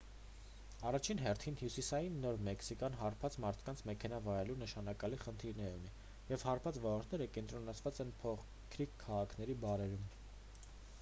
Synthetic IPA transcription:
ɑrɑt͡ʃʰinɦɛrt̪ʰinhjusisɑjinːɔɾmɛksikɑnɦɑɾpʰɑt͡smɑɾt̪ʰkɑnt͡sʰmɛkʰɛnɑvɑɾɛlunəʃɑnɑkɑliχənt̪ʰiɾnɛuni | jɛvhɑɾpʰɑt͡svɔlɔɾt̪ʰnɛɾəkɛnt̪ɾɔnɑt͡sʰvɑt͡sɛnpʰɔχ | kʰɾikʰːɑʁɑkʰnɛɾibɑɾɛɾum

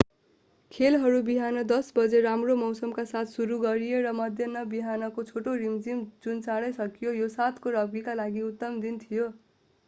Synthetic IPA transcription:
kʰelɦʌɾubiɦanʌd̪ʌsbʌd͡zeɾamromʌwsʌmkasat̪ʰsuɾuɡʌɾijeɾʌmʌd̪ʱjʌnːʌbiɦanʌkot͡sʰoʈoɾimd͡zimd͡zunt͡saɽʌjsʌkijojosat̪ʰkoɾʌbɡikalaɡiut̪ːʌmd̪int̪ʰijo

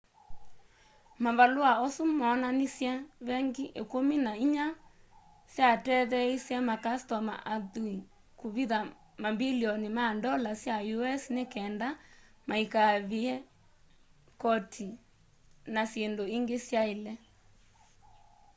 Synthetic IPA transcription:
maβaloaɔsumɔnanisjɛβɛŋɡiʔekominaiɲa | sjatɛðɛisjɛmakastɔma̰ʔaðui | koβiða | mabiliɔnimandɔlasjajuɛsnekɛnda | maikaβiɛ | kɔtʰi | nasjendoiŋɡesjaelɛ

